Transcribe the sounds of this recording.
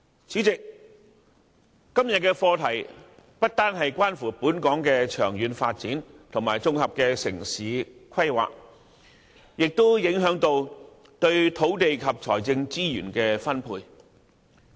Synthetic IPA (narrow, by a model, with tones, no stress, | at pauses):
t͡sʰiː˨˥t͡sɪ˨k̚ | ɐ˥mjɐ˨t̚kɛ˧fɔː˧t̪ʰɐ˨˩j | pɐ˥t̚t̪aː˥nɦɐ˨jkʷaː˥nfuː˨˩puː˨˥nkɔː˨˥ŋkɛː˧t͡ʃʰœː˨˩ŋjyː˨˧nfaː˧t̚t͡siː˨˥nt̪ʰʊ˨˩ŋmaː˨˩jt͡sʊ˧ŋhɐ˨p̚kɛː˧sɪ̰˨˩ŋsiː˨˧kʰɐ˥jwa̰ː˨k̚ | jʔɪ˨k̚t̪o˥wjɪ˨˥ŋɦœː˨˥ŋt̪o˧w | t̪ɵ˧ɥt̪ʰo˨˥wt̪e˨jkʰɐ˨p̚t͡sʰɔ̰ː˨˩jt͡sɪ˧ŋt͡siː˥jyː˨˩nkɛː˧fɐ˥npʰuː˧j